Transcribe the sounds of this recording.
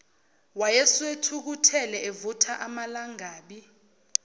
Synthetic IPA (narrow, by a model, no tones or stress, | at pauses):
wajɛswetʰuk̬utʰɛlɛevutʰaʔamalaŋaːɓi